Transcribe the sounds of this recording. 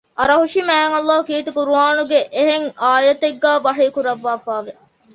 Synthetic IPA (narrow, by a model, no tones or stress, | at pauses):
ɐɾɐɦuʃimæːŋɐlˠːaːɦukiːt̪ukuɾuaːnuɡeʔeɦeŋaːjɐt̪eɡːæːbɐɦekuɾɐʋːaːfaːʋe